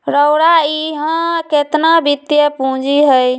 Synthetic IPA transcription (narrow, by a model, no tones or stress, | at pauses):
ɾəʊɾaiɦə̃ket̪nabit̪jəpũd͡ʒiɦəj